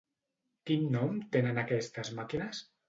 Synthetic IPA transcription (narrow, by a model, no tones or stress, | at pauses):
kinːɔmt̪enənakɛst̪azmakinəs